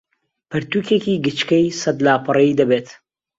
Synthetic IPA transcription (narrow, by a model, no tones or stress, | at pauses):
pɨɾt̪ukekiːɡɨt͡ʃkɐjsɐd̪laːpʰɨrɐid̪ɐbeːt̪